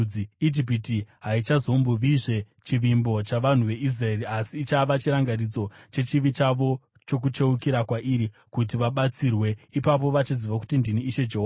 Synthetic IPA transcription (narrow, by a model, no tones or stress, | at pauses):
iid͡ʒip̬itiɦait͡ʃazo̞mbuʋiʐe̞ | t͡ʃiʋimbo̞t͡ʃaʋan̤uʋe̞ʔis̬rae̞ɾiasiːt͡ʃaʋat͡ʃiɾaŋɡarid͡zo̞t͡ʃe̞t͡ʃiʋit͡ʃaʋo̞ | t͡ʃo̞k̬ut͡ʃe̞ukiɾakwaʔiɾi | kutiʋaɓat͡sirwe̞ipap̬o̞ʋat͡ʃiziʋaku̥tindiniːʃe̞d͡ʒeɦoa